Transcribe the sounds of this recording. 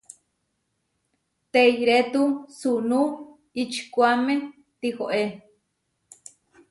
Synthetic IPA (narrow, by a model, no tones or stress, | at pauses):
t̪eiɾet̪usunu | it͡ʃkʷuamẽ | t̪ihoʔe